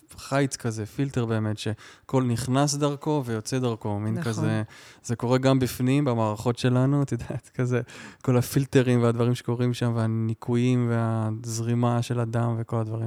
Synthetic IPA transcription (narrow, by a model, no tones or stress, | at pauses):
χajt͡skazefilte̞ʁbe̞ːme̞tʃe̞ko̞lniχnas̬d̪aʁko̞ve̞jo̞t͡sed̪aʁko̞minkazez̥eko̞ʁe̞ɡambifnimbamaːʁaχo̞tʃe̞lanut̪od̪at̪kazeko̞lafilte̞ʁimvead̪vaʁimʃeko̞ʁimʃamveanikʰujimveazʁimaʃe̞lad̪amveko̞lad̪vaʁim